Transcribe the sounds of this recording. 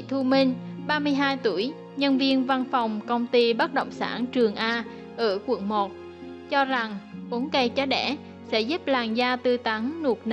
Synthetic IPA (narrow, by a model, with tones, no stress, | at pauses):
t̪ʰu˧mi˧ŋɓaː˧mɨ˧əjɦaː˧jt̪u˧˩əj | ɲə˧nvi˧ənva˧nfa˨˩wŋ͡mkə˧wŋ͡mt̪i˧ɓa˦˥t̚ɗo̰˧˨wŋ͡msa̰ː˧˩nt͡ɕɨ˨˩əŋʔaː˧ | ʔəː˧˩kwə̰˧˩nmo˨˩t̚ | t͡ɕɔ˧za˨˩ŋʔu˨˦nkə˧˩jt͡ɕa˨˧ɗɛ˧˩ | sɛ̰˧˥zu˦˥p̚laː˨˩ŋzaː˧t̪ɨ˧t̪a˨˦ŋnu˨˩ək̚n˧